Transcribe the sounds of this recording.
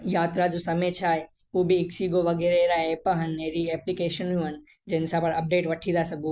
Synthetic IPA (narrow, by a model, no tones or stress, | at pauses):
jaːt̪ɾad͡ʒusɐmet͡ʃʰaːe | ubʱiɪksiɡoʋɐɡeɾeɾaepəɦənːeɾieːplikeːʃənũɦən | d͡ʒensapɐɾɐp̚ɖeːʈʋɐʈʰid̪asɐɡũ